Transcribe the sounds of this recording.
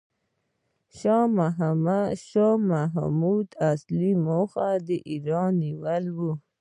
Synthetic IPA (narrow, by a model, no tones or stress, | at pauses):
ʃɑmaɦamaʃɑmaɦmud̪aslimoxad̪əʔiɾɑnːiwəlwu